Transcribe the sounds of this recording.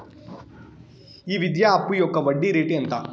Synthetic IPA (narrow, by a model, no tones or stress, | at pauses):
iːʋid̪jaːɐpujoːkːɐʋɐɖːiɾeːʈiɐnt̪ɐ